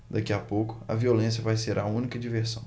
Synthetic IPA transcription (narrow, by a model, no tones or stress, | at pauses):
d̪akiapowkʊ̥ɐ̰violẽsjɐvajseɾʔɐũnikɐd͡ʒiveɾsɐ̃w̃